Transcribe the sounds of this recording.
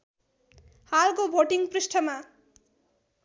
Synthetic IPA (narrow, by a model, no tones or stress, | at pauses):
halkobʱoʈiŋprisʈʰʌma